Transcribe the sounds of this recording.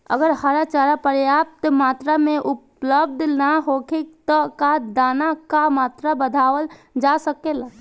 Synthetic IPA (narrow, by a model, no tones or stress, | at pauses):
ə̰ɡəɾhaɾat͡ʃaɾapəɾjap̚t̪mat̪ɾameʔup | ləb̚d̪ʱnaɦokʰek̚t̪ɔkad̪anakamat̪ɾabəd̪ʱawəld͡ʒasəkela